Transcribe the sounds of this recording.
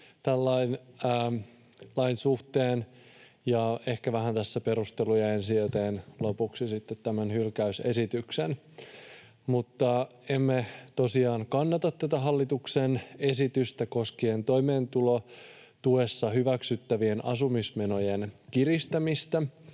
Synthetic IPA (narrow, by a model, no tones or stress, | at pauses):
t̪ælːɑinː | lɑinsuht̪eːn | jɑe̞hkæʋæhænt̪æsːæpe̞ɾust̪elujɑe̞nsiøt̪eːnlopuksisit̪ːet̪tæmænhylkæyse̞̰sit̪yksen | mut̪ːɑ | emːet̪o̞siɑːnkɑnːɑt̪ɑt̪t̪æt̪æɦɑlːit̪uksene̞sit̪yst̪æko̞skient̪o̞imeːnt̪ulo | t̪ue̞sːɑhyʋæksyt̪ːæʋienɑ̰sumismenojenkirist̪æmist̪æ